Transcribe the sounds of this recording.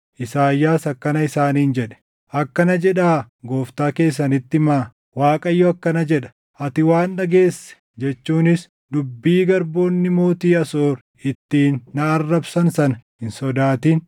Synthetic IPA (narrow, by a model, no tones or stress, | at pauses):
ʔɪsaːjːaːsɐkːɐnɐɪsaːniːnd͡ʒɛᶑɛ̥ | ʔɐkːɐnɐd͡ʒɛᶑaː | ɡo̞ːft̪aːke̞ːs̬ːɐnɪt̪ːɪmaː | waːkʼɐjːɔɐkːɐnɐd͡ʒɛᶑɐ̥ | ʔɐt̪ɪwaːnːɐɡe̞ːsːɛ̥ | d͡ʒɛt͡ʃːuːnɪs | d̪ʊbːiːɡɐɾbo̞ːnːɪmo̞ːt̪iːɐsoːɾ | ɪt̪ːiːnːɐːrːɐbsɐnsɐnɐhɪnsɔd̪aːt̪iːn